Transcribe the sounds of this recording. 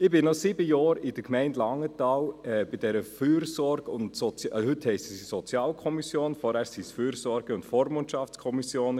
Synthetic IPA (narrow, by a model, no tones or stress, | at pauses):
ɪbɪnnɔsibəjɑːɾɪd̥əkmɛɪntlɑŋːətɑːwɛb̥ɪd̥ɛɾəfyːɾsɔɾɡ̥ʊntsɔt͡sjhʏthɛɪstsisɔt͡sjɑːlkʰɔmisjoːnfɔɾæsisfyːɾsɔɾɡəʊntfoːɾmontʃɑft͡skʰɔmisjoːn